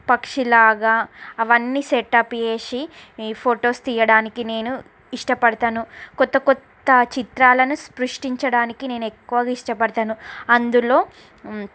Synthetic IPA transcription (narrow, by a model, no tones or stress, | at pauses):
pɐkʂilaːɡaːɐʋɐnːiːseʈːaːpje̞ːʂipʰoːʈo̞ːst̪ijɐɽaːnikine̞ːnu | iʂʈɐpɐɽɐt̪aːnukɔt̪ːɐkɔt̪ːɐt͡ʃit̪ɾaːlɐnuspɾuʂʈiɲt͡ʃɐɽaːnikine̞ːnuekːuʋɐɡaiʂʈɐpɐɽɐt̪aːnuɐnd̪ulo̞ː